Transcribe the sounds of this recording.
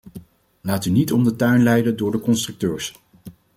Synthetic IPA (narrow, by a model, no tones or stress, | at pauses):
laːtynitɔmdətœɥnlɛjdəndʊːɹdəkɔnstrɵk̚tøːɹs